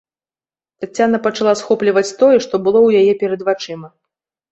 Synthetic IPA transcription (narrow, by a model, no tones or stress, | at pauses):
t̪at͡sʲːanɐpɐt͡ʂalˠasxɔplʲɐvɐt͡sʲt̪ɔjɛʂt̪ɔbɨlˠɔwjajɛpʲɛɾɐd̪vat͡ʂɨmɐ